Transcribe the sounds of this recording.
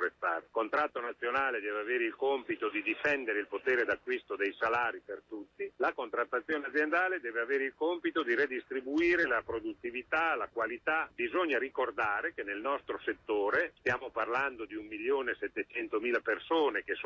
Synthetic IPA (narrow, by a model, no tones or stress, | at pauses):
ɾest̪a̰ɾkont̪ɾat̪ːonat̪sːjonaːled̪ɛːveaveːɾeilkompit̪od̪id̪ifɛnd̪eɾeilpot̪eːɾed̪akːwist̪od̪ejsalaːɾipert̪ut̪ːilakont̪ɾat̪ːat̪sːjoːnead̪zjend̪aːled̪ɛːveaveːɾeilkompit̪od̪iɾed̪ist̪ɾibuiːɾelapɾod̪ut̪ːivit̪alakwalit̪abizoɲːaɾikord̪aːɾekenelnɔst̪ɾoset̪ːoːɾest̪jaːmoparland̪od̪iumːiljoːnesɛt̪ːet͡ʃɛnt̪omiːlapersoːnek̟es